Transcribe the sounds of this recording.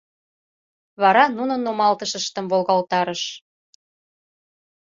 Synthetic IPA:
βɑɾɑnunə̆nːomɑlt̪əʃəʃt̪ə̆mvolɣɑlt̪ɑɾəʃ

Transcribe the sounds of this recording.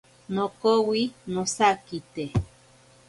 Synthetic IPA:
nokowinosakit̪e

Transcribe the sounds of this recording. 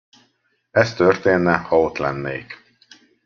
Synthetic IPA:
ɛst̪ø̞rt̪eːnːɛhɒot̪lɛnːḛːk

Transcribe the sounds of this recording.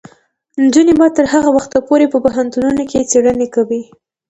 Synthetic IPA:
nd͡ʒunebɑd̪̚t̪əɾhaɣawaxt̪apoɾepəpaɦant̪ununoket͡seɽənekawi

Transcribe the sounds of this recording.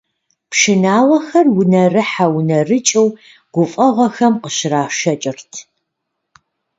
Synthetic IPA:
pʂɪnaːwɐxɐrwʊnɐrɨħawnɐrɨt͡ʃʼɐw | ɡ̥ʷʊfʼɐʁʷɔxɐmqəɕɪraːʃɐt͡ʃʼɪrtʰ

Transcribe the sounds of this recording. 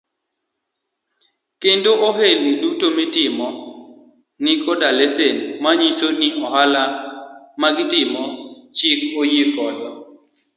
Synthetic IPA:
kendoʔoɦelnidutomitɪmɔ | nɪkɔdalesenmaɲisoniɔhala | maɡɪtɪmɔt͡ʃɪkojekɔdɔ

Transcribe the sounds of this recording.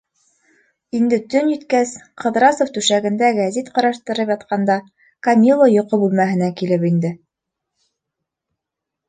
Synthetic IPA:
ind̪ɘt̪ɵnjɘ̆t̪kæsqʰɤ̆ðɾɑsoft̪ʉʃæɡɘ̆nd̪æɡæzit̪qɑ̆ɾɑʃt̪ɤ̆ɾɤpjɑt̪̚qɑnd̪ɑ | kɐmʲilˠːojŏqobʉlmæɦɘ̆nækilɘpind̪ɘ

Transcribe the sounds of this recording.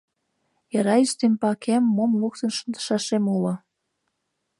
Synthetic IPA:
jɑɾɑyʃt̪empɑkemːomluk̚t̪ə̆nʃə̆nd̪ə̥ʃɑʃemulŏ

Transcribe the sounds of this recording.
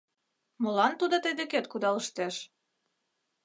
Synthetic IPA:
molɑnt̪ud̪ot̪əjd̪eket̪kud̪ɑləʃt̪eʃ

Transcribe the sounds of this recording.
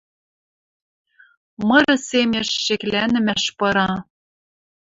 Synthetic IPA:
mɤ̆ɾɤ̆semʲeʃːeklænɘ̆mæʃpɤ̆ɾɑ

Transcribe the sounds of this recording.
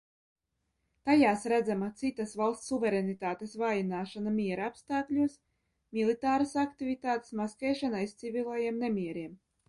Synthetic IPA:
t̪ajaːsɾæd̪zamat̪sit̪asvalˠsːuvɛɾɛnit̪aːt̪esvaːjinaːʃanamʲiɛɾaapst̪aːklʲuɔs | mʲilˠit̪aːɾasakt̪ivʲit̪aːt̪e̥smaskɛjʃanaist̪sivʲilˠajiɛmnɛmʲiɛɾiɛm

